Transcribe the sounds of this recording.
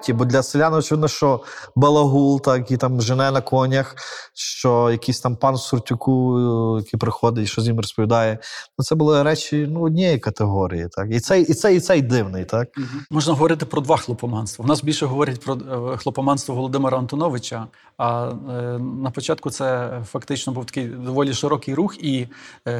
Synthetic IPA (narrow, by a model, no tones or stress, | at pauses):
tʲibɔd̪ʲlʲɐselʲanɪɔt͡ʃɪʋɪd̪nɔʃt͡ʃɔbɐlˠɐɦulˠt̪ɑkjit̪ɑmʒenɛnɐkʰɔnʲɐxʃt͡ʃɔjɐkisʲt̪ɑmpɑnsʊrtʲʊkʰujɐkipɾɪxɔd̪ɪʃt͡ʃɔzʲjimrɔspɔʋʲid̪ɑjɛnut̪sɛbʊlˠɪɾɛt͡ʃʲinuɔdʲnʲɛjikɐt̪eɦɔɾʲḭjit̪ʰɑkit̪sɛjit̪sɛit̪sɛjd̪ɪwnɪjt̪ɑk̚mɔʒnɐɦɔʋɔɾɪt̪ɪpɾɔd̪ʋɑxlˠɔpɔmɑnst̪ʋɐʋwnɑsbʲilʲʃɛɦɔʋɔɾʲɐt̚ʲpɾɔxlˠɔpɔmɑnst̪ʋɐʋɔlˠɔd̪ɪmɛɾɐɐnt̪ɔnɔʋɪt͡ʃɐ | ɐ | nɐpɔt͡ʃɑt̪̚kʊt̪sɛfɐkt̪ɪt͡ʃnɔbuwt̪ɐ̥kɪjd̪ɔʋɔlʲiʃɪɾɔkɪjɾuxi